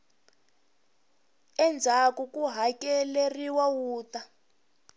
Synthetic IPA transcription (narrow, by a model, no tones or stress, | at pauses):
ɛnd͡zʱakukuɦakɛleriwawuːta